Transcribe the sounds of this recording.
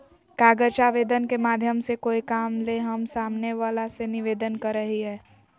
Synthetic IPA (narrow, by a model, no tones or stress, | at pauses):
kaːɡəɾt͡ʃaːʋeːd̪ənkemaːd̪ʱjəmsekoːikaːmleɦɐmsaːmneʋaːlasenɪʋeːd̪ənkɐɾːəɦiɦɛː